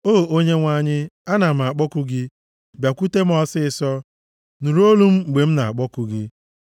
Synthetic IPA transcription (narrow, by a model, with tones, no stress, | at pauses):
oː˦˨o˦ɲe˦ŋʷa˦ɲɪ˦a˦na˨m̩˨a˨k͡pɔ˦kʊ˦ɡɪ˦ | bja˨kʷu˦te˦m̩˦ɔ˦sɪ˦ɪ˨sɔ˦ | nu˨ɾo˦lu˦m̩˦˨ɡ͡be˨m̩˦na˨a˨k͡pɔ˦kʊ˦ɡɪ˦